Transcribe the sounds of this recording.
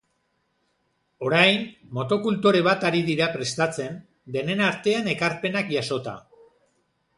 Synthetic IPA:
o̞ɾajnmo̞t̪o̞kult̪oɾe̞β̞at̪aɾiðiɾapɾe̞st̪at͡se̞n | d̪e̞ne̞naɾt̪e̞ane̞kaɾpe̞nakjaso̞t̪a̰

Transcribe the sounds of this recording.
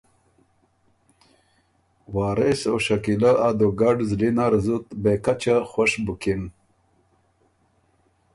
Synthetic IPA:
wɑːɾesoʃakilaad̪oɡaɖzlinaɾzut̪bekat͡ɕaxwaʂbukin

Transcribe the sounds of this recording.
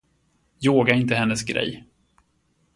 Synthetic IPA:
joːɡaɪnt̪əhɛnːəsɡɾɛ̰jː

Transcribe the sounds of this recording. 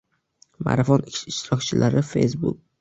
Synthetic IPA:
ma̰ɾafɒnɪɪʃt̪ɪɾɒkt͡ʃʰɪlʔaɾɪfḛjsbṵk̚

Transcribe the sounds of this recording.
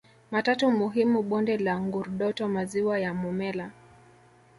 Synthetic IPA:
matatumuɦimuɓɔndɛlaŋɡuɾɗɔtɔmaziwajamumɛla

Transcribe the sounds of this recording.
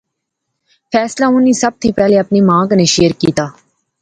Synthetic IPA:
pʰɛːslaːʊnĩːsəb̚t̪ʰĩːpɛːleːəpniːmãːkneːʃeːəɾkiːt̪aː

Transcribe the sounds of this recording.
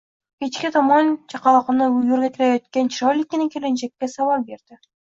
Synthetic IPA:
kʲet͡ʃkʲɪt̪ʰɑmɑnt͡ʃʰɑqɑlˠɑqɑnɤjɵɾɡʲet̪ʰɪlæjɑt̪kʲent͡ʃʰɾɑjlʲɪkʲːeneŋkʲʰelenʃekʲːesɑwɑɾbeɾd̪̥ɪ

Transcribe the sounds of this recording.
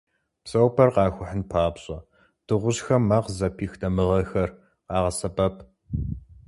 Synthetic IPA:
psʼɐwpʰɐrqɑːxʷʊħənpʰaːbɕʼɐ | d̥ɨʁʷʊʑxɐmːɐqzɐpʰiːxtʰɐmɨʁɐxɐr | qɑːʁɐsɐbɐpʰ

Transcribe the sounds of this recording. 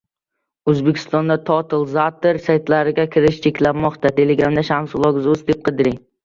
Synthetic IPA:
ɵzbekʲʰɪ̥st̪ɒnd̪at̪ʰɒt̪ʰɪlˠzat̪ɪɾsajt̪laɾɪɡʲakʲʰɪɾɪʃt͡ʃʰe̞kʲlamːɒqt̪ʰat̪ʰe̞leɡɾamd̪aʃamsʊlˠɒɡɪzɵzd̪ep̚qʰɨd̪ɪɾɪŋ

